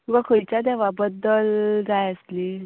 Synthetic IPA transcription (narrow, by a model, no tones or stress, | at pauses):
tukakʰəit͡ɕad̪ɛʋabəd̪ːəlɡajəsli